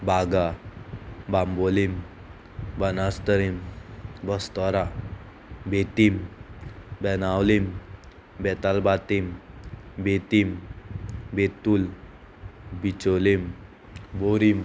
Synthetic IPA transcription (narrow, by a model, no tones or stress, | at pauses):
baɡa | bambolim | bənast̪əɾimbəst̪ɔɾa | bet̪im | bɛnawlim | bɛt̪albat̪im | bet̪im | bet̪ul | bit͡ɕolim | boɾim